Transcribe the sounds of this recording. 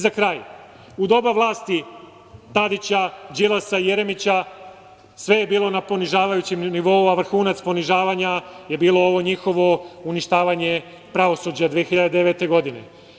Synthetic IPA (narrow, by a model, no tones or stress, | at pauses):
zakɾaːj | ud̪o̞baʋlˠaːst̪i | t̪ad̪it͡ɕad͡ʑilˠasaije̞ɾe̞mit͡ɕa | sʋe̞je̞biːlˠo̞napo̞niʒaːʋajut͡ɕemniʋo̞uaʋr̩xuːnat̪spo̞niʒaːʋaɲaje̞biːlˠo̞o̞ʋo̞ɲixo̞ʋo̞uniʃt̪aːʋaɲe̞ | pɾaʋo̞sud͡ʑad̪ʋiexiʎad̪ed̪eʋe̞t̪e̞ɡo̞d̪ine̞̰